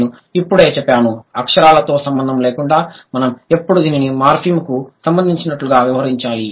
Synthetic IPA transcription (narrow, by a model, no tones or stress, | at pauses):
nu | ipːuɽe̞ːt͡ʃɛpːjaːnuɐkʂɐɾaːlɐt̪o̞ːsɐmbɐnd̪ʱɐmle̞ːkuɳɖaːmɐnɐmepːuɽud̪iːninimaːɾpʰimkusɐmbɐnd̪ʱiɲt͡ʃinɐʈluɡaːʋiʋɐɦɐɾiɲt͡ʃaːli